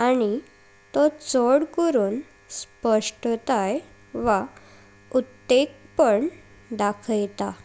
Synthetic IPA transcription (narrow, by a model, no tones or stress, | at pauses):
añi | t̪ɔt͡sɔɽkəɾuːn | spəʂʈt̪aj | ʋa | ut̪ːekpəɳ | d̪akʰəjt̪a